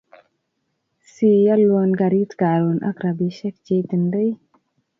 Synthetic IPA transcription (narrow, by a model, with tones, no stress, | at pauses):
si˦ja˦lwɔ˧nɡa˨ɾi˦tka˨ɾu˨nʔa̰˦kɾa˨bi˨ʃɛ˦k̚d͡ʒe˦t̪i˨nde˦j